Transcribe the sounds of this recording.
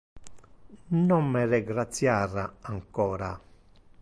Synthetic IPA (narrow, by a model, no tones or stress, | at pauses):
nɔmmɛrɛɡɾat̪sjaɾaaŋkɔːɾa